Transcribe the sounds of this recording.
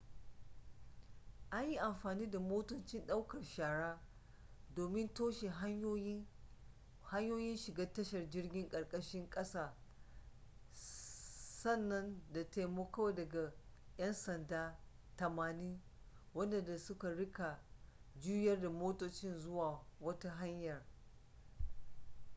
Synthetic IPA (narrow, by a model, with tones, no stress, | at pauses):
ʔa˦ɲji˦ʔa˨mɸaː˨niː˦da˨moː˦tʊ˦nt͡ʃɪ˦nɗa˦wkɐ˨rʃaː˨ɽaː˦ | doː˨mɪ˦ntoː˦ʃe˨ɦ | ha˦ɲjoː˦jɪ˦nʃɪ˨ɡaː˦tɐ˦ʃɐ˨rd͡ʒɪ˦rɡʲɪ˦ŋkʼɐ˨ɽkʼɐ˦ʃɪ˦ŋkʼɐ˦saː˦˨ | sɐ˦˨nːɐ˦nda˨te˨jmoː˦kɐ˦wa˨dɐ˨ɡa˨jɐ˦nsɐ˨ndaː˦ | tɐ˨maː˨niː˦ | wɐ˦nda˨da˨sʊ˦ka˨ɽɪ˦ka˨d͡ʒu˦jɐ˦rda˨moː˦toː˦t͡ʃɪ˦nzʊ˦waː˨wɐ˦ta˦ɦa˦ɲjɐ˨r